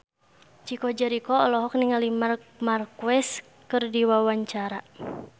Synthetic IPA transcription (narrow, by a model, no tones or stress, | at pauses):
t͡ʃikɔd͡ʒaɾikɔɔlɔɦɔk̚niŋalimarmarkuwɛs | kɨrdiwawaɲt͡ʃaɾa